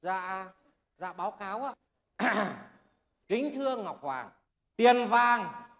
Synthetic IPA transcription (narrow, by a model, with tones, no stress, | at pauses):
za̰ː˧˨ | za̰ː˧˨ɓaː˨˦wkaː˨˦wʔaː˧˦ | kï˨˦ŋ̟t̪ʰɨ˧əŋːa˨˩wk͡p̚hwaː˨˩ŋ | t̪i˨˩ənvaː˧˩ŋ